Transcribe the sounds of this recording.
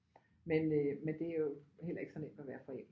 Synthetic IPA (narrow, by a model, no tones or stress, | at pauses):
menømend̥e̝æjo̝hel̰ɐe̝ɡ̥sɒ̽nem̰d̥æʋæːɐfɒ̽em̰